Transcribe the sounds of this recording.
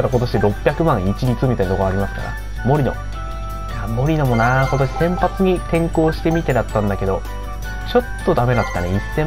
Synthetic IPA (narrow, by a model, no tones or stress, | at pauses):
aɾako̞t̪o̞ɕid̪eɾo̞pʲːjakɯ̟mãɰ̃it͡ɕiɾʲit͡sɨmʲit̪aintooaɾʲimasɨ̥ka̰ɾa̰ | mo̞ɾʲino̞̰ | jaːmo̞ɾʲino̞mo̞nako̞t̪o̞ɕi̥sẽ̞mpat͡sɨɲ̟it̪ẽ̞ŋko̞ːɕi̥t̪e̞mʲit̪eɾat̪ːãnd̪ake̞d̪o̞ | t͡ɕo̞t̪ːo̞d̪ame̞nakt̪ːaneisːẽ̞